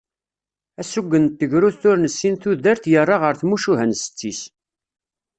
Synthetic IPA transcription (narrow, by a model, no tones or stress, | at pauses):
æsuɡʷːənt̪ːəʝɾuθθʊɾnəsːinθuðəɾθjərˤːɑʁəɾθmuʃuɦənsə̥t͡sːis